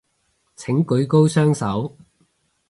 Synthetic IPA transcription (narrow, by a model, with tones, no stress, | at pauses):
t͡sʰɪ˨˥ŋkɵ˨˥ɥko˥wsœː˥ŋsɐ˨˥w